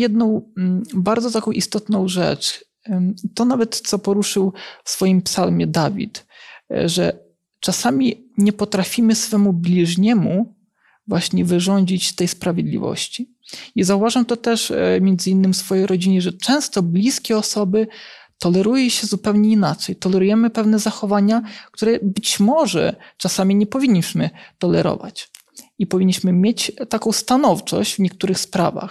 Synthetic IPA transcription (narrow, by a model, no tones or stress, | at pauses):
jɛd̪nɔ̃w̃baɾd̪zɔt̪akɔ̃w̃ʔist̪ɔt̪nɔ̃w̃ʐɛ̰t͡ʂ | t̪ɔnavɛt̪sɔpɔɾuʂɘwfsfɔjimpsalmʲɛd̪avʲḭt̪ | ʐɛ̰ | t͡ʂasamʲi | ɲɛpɔt̪ɾafʲimɘsfɛmublʲiʐɲɛmu | vwaɕɲɛvɘʐɔɲd͡ʑit͡ɕt̪ɛjspɾavʲjed̪lʲḭvɔ̰ɕt͡ɕi | izauvaʐamt̪ɔt̪ɛʂmʲjɛnd̪zɘinːɘmsfɔjejɾɔd͡ʑiɲɛʐɛt͡ʂɛ̃w̃st̪ɔblʲiskʲɛɔsɔbɘt̪ɔlɛɾujɛɕɛzupɛwɲɛinat͡ʂɛjt̪ɔlɛɾujɛmɘpɛvnɛzaxɔvaɲak̚t̪uɾɛbɘt͡ɕmɔʐɛ̰t͡ʂasamʲiɲɛpɔvʲiɲːiɕmɘt̪ɔlɛɾɔ̰va̰t͡ɕ | ipɔvʲiɲːiɕmɘmʲjet͡ɕt̪akɔ̃w̃st̪anɔft͡ʂɔ̰ʑd͡ʑvɲɛk̚t̪uɾɘxspɾa̰va̰x